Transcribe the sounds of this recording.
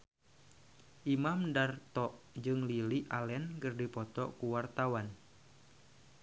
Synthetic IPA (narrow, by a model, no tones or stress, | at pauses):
ʔimamdart̪ɔʔ | d͡ʒɨŋliliʔalɛnkərdipɔt̪ɔ̰kuwart̪awan